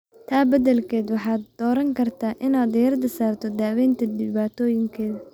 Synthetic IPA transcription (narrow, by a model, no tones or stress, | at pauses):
t̪ʰaːbɐðɛlkʰɛːd̪wɑħɑːd̪d̪ɔːɾɐŋkʰɐrt̪ʰaːʔɪnaːd̪ɐjɐrd̪ɐsaːrt̪ʰɔd̪aːwɛjnt̪ʰɐd̪ɪβaːt̪ʰɔːjɪŋkʰɛːðɐ